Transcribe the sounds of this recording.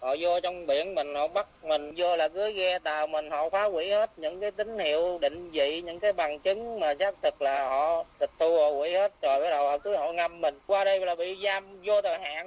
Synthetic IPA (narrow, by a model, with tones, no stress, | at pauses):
hɔ̰˧˨zo˧t͡ɕɔ˧wŋ͡mɓḭ˧˨ənmï˨˩ŋ̟hɔ̰˧˨ɓa˦˥k̚mï˨˩ŋ̟zo˧laː˨˩kɨ˨˦əjɣɛ˧t̪aː˨˩wmï˨˩ŋ̟hɔ̰˧˨faː˨˦wḭ˧˥he˦˥t̚ɲɨ̰˧˥ŋkaː˨˦jt̪ï˨˦ŋ̟hḭ˧˨əwɗḭ̈˧˨ŋ̟zḭ˧˨ɲɨ̰˧˥ŋkaː˨˦jɓa˨˩ŋt͡ɕɨ˨˦ŋmaː˨˩saː˦˥k̚t̪ʰɨ˨˩k̚laː˨˩hɔ̰˧˨t̪ʰi˨˩k̟̚t̪ʰu˧hɔ˧˨kwḭ˧˥˦he˦˥t̚t͡ɕɔ˨˩jɓaː˨˦jɗə˨˩hɔ˧˨kɨ˨˦jhɔ̰˧˨ŋa˧mːï˨˩ŋ̟kwaː˧ɗə˧jlaː˨˩ɓḭ˧˨zaː˧mzo˧t̪ʰəː˨˩jɦa̰ː˧˨n